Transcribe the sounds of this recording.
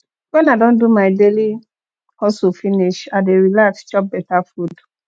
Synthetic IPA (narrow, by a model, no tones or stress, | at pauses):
wɛ̃naɪdɔ̃ndumaɪdeli | hɔsufiniʃadeɹilakst͡ʃɔp̚bɛtafud